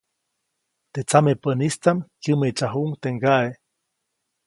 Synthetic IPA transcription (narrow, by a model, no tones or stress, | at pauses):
t̪et͡samepənist̪amkjɨmet͡ʃaɦuʔŋt̪eŋɡaʔe